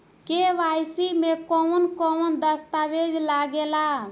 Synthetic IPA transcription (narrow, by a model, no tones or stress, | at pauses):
keʋajsimekɔwnkɔnd̪əst̪aʋed͡ʒlaɡela